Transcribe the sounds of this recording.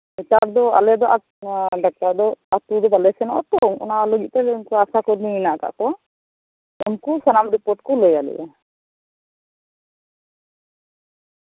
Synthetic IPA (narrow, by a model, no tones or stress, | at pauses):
mit̪aɾd̪ɔa̰lɛd̪ɔʔa | ɖak̚t̪aɾd̪ɔat̪ud̪ɔbalɛsɛnɔʔɔ̰t̪ɔŋɔ̰nalɔɡit̪̚ɛunkuasakɔɾninaʔka̰ʔkɔ | unkusanamɾipɔɾʈkɔlɔjalɛ̰bɛ